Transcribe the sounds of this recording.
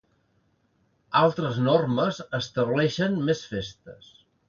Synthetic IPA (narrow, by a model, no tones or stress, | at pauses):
alˠt̪ɾəznorməzəst̪əβlɛʃənmesfest̪əs